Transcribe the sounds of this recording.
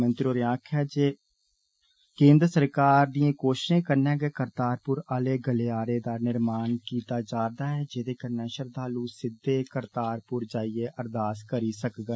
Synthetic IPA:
mənt̪ɾoːɾãːkʰɦɛːd͡ʒeː | kẽːnd̪ɾəsəɾkaːɾd̪iẽːkoːʃʃẽːkəɾnɛ̃ːɡeːkəɾt̪aːɾpʊɾaːleːɡəleːaːɾeːd̪aːnɪɾmaːnkiːt̪aːd͡ʒaːɾd̪aːɦɛːd͡ʒeːd̪eːkəɾnɛːʃəɾd̪aːlũːsɪd̪eːkəɾt̪aːɾpʊɾd͡ʒaːiːeːʔəɾd̪aːskəɾiːsəkɡə

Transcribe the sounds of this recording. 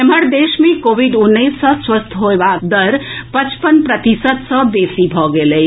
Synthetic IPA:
eməɾd̪eʃmẽkoʋiɖunːəisːəswəst̪ʰɦoebak̚d̪əɾpət͡ʃpənpɾət̪isəd̪səb̪esibʱɔɡele

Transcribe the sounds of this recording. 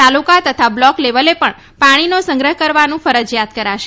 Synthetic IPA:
t̪alukat̪ət̪ʰablɔkleʋəlepəɳ | paɽ̃inosə̃ŋɡɾəɦkəɾʋanũfəɾəd͡ʒjat̪̚kəɾaʃe

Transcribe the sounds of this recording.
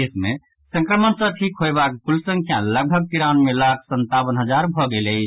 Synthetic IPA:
esme | sə̃ŋkɾəmənsəʈʰikɦojbakkulsəŋkʰjaləɡ̚bʱəɡ̚kiɾanmelakʰsənt̪abənɦəd͡ʒaɾbʱɔɡeləjt͡ʃʰ

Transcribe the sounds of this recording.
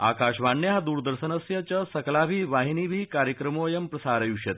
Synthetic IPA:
a̰kaɕʋaɳːeɦad̪uːɾd̪əɾʃənəsjɐt͡ɕəsɐklabʱiːʋaɦiniːbʱiːkaɾjəkɾəmoːjɐmpɾɐsaɾəjuʂet̪

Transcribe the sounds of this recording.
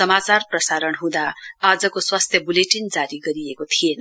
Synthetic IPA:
ʌmat͡sarprʌsaɾʌnɦũd̪aːd͡zʌkoswast̪ʰjʌbuleʈind͡zaɾiɡʌɾiekot̪ʰien

